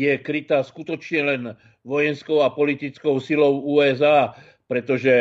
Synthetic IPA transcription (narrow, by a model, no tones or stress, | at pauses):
jɛkɾit̪aːskut̪ɔt͡ʃɲɛlɛn | ʋɔjɛnskɔʊapɔlit̪it͡skɔʊsilɔʊuːɛzaː | pɾɛt̪ɔʒɛ